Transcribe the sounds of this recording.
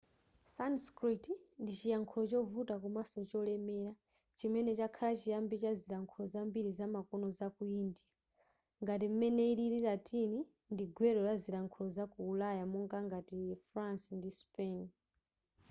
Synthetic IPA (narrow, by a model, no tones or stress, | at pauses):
sanskɾitndit͡ʃijaŋkʰulɔt͡ʃɔvutakumasɔt͡ʃɔlɛmɛɾa | t͡ʃimɛnɛt͡ʃakʰalat͡ʃijambit͡ʃaziɾaŋkʰulɔzambiɾizamakɔnɔzakuindija | ŋɡatim̩mɛnɛiɾiɾiɾatini | ndiɡwɛɾɔlazilaŋkʰulɔzakuːlajamɔŋɡaŋɡatifɾansndispɛn